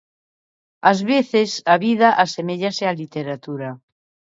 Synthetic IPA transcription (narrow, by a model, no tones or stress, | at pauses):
azβeθesaβið̞aʔasemeʎasealit̪eɾat̪uɾa